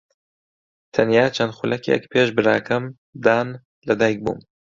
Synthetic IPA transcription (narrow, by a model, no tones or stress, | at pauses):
t̪ʰɐnjaːt͡ʃʰɐnd̪xʊlʔɐkʰjɛ̰kpʰeːʃbɨɾa̰ːkʰɐm | d̪aːn | lɐd̪ajk̚bṵːm